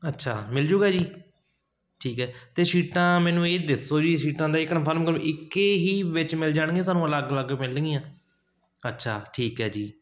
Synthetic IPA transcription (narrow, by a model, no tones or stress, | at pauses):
ətːʃʰaːmɪld͡ʒuːɡaːd͡ʒiː | ʈʰiːkɦɛːt̪eːsiːʈãːmɛ̃ːnũːeːd̪ɪsoːd͡ʒiːsiːʈãːd̪aːɪknãːpʰəɾmkəɾʔɪkːeːɦiːʋɪt͡ʃmɪld͡ʒaːɽ̃ɡẽːs̬aːnũːələɡləɡmɪlĩːãː | ətːʃʰaːʈʰiːkɦɛːd͡ʒiː